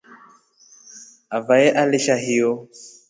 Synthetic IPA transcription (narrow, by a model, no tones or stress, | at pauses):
avajɛʔaliʃaɦijɔ